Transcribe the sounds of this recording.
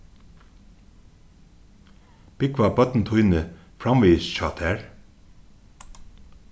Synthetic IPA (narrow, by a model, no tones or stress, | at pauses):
b̥ɪkʋɑːbœt̪n̩t̪ʰʊʏnə | fɾɑmʋiːsʃɑːt̪ʰæːɹ